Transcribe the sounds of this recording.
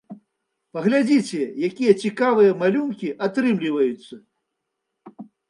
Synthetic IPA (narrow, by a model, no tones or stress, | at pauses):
pɐɣlʲad͡zʲit͡sʲɛjakʲijɐt͡sʲikavɨjɐmalʲunkʲiʔat̪ɾɨmlʲivɐjut̪sːɐ